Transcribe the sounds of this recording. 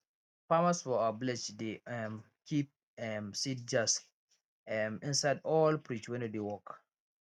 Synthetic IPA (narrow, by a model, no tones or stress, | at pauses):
pamaswɔablɛd͡ʒdem | kʰip̚ | ɛsid͡ʒas | mĩnsaɪdɔlpɹit͡ʃwɛ̃nudewɔk